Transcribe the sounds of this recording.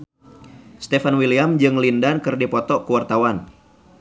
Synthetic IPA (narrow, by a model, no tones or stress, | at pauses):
st̪efanwiliamd͡ʒɨŋlindankɨrdipɔt̪ɔkuwart̪awan